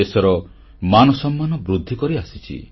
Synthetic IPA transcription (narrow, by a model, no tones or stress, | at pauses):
esɔɾɔ | manɔsɔmːanɔbɾud̪ʱːikɔɾiasit͡ʃʰḭ